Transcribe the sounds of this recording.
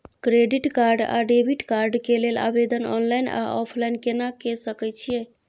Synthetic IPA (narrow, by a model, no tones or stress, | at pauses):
kɾeɖiʈkaɾɖa̰ɖebʱiʈkaɾɖkelela̰bed̪ənɔ̰nlajna̰ʔɔpʰlajnkenakesəkɛjt͡ʃʰijɛ